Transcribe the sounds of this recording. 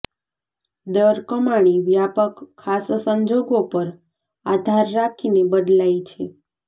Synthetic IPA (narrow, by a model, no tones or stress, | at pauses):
d̪əɾkəmaɽ̃iʋjapəkʰːassəɲd͡ʒoɡopəɾ | ad̪ʱaɾːakʰinebəɖ̪lajt͡ʃʰe